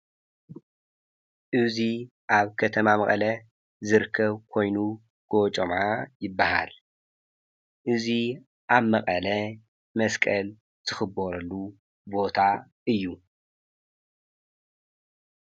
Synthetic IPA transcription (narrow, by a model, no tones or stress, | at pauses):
ʔɨzi | ʔaβkʰɐt̪ʰɐmamɐ̰χʼɐ̰lɐ | zɨɾkʰːɐβkʰo̞jnu | ɡ̥ot͡ʃʼomʕajɪbːaha̰l | ʔɨzi | ʔaβmɐχʼɐlɐ | mɐskʼɐl | z̥ɨxɨboɾɐlːu | bo̞t̪ʰa | ʔɨjːu